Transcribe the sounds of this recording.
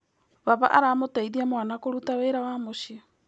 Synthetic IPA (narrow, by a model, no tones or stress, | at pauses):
βaβa̰ʔaɾamotaiðiamwanakoɾutaweɾawamoʃia